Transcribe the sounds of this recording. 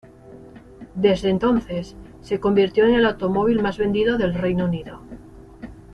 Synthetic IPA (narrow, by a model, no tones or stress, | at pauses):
d̪e̞zðent̪o̞nθe̞sː | e̞ko̞mbiɾt̪jo̞ene̞lawt̪o̞mo̞β̞ilmazβe̞nd̪iðo̞ðe̞lrejnouniðo̞